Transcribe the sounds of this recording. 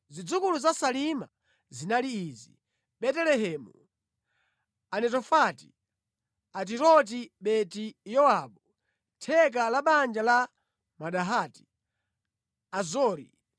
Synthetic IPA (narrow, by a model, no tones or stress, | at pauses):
zid͡zukuluzasalima̰ | zinaliiːzḭ | ɓɛtɛlɛɦɛːmu | anɛtɔfati | at̬iɾɔt̬iɓɛtijɔaɓu | tʰɛk̬alaɓand͡ʒala | maɗaɦaːti̥ | azɔːɾḭ